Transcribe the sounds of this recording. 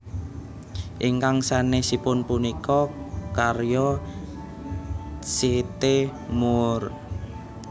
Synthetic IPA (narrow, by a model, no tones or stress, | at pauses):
ʔiŋkaŋsanesipʊnpunikɔkarjɔ | set̪emʊr